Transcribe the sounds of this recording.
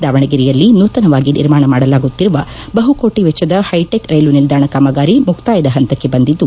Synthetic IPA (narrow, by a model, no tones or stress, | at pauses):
d̪aːʋɐɳɐɡiɾijɐlːinuːt̪ɐnɐʋaːɡinḭɾmaːɳɐmaːɽɐlaːɡut̪ːiɾuʋɐbɐɦuko̞ːʈiʋɛt͡ʃːɐd̪ɐhɐjʈekɾɐjlunild̪aːɳɐkaːmɐɡaːɾimukt̪aːjɐd̪ɐɦɐnt̪ɐkːe̞bɐnd̪id̪ːu